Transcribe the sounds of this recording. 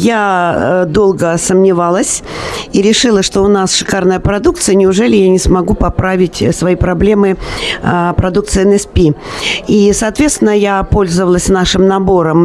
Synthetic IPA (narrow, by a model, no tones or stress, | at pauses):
ja | d̪o̞lˠɡəsəmnʲɪvalˠəsʲiɾʲɪʂɨlˠəʂt̪o̞ʊnasʂɨ̥karnəjəpɾɐd̪ukt̪sɨjənʲɪʊʐɛlʲɪjanʲɪsmɐɡupɐpɾavʲɪtʲsvɐjipɾɐblʲe̞mɨ | pɾɐd̪uk̚t̪sɨjɛnɛspʲiisɐːt̪vʲet̪st̪ʲɪnːəjapo̞lʲzəvəlˠəsʲnaʂɨmnɐboɾəm